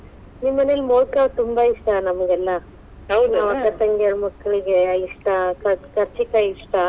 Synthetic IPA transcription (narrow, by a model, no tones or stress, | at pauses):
nimːɐnelmoːlkɐt̪umbaiʂʈɐnɐmɐɡɛlːɐ | ɐwd̪naːʋɐkːɐt̪ɐŋɡeɭmɐkːɐɭiɡeiʂʈɐkɐkɐɾt͡ʃikɐiʂʈɐ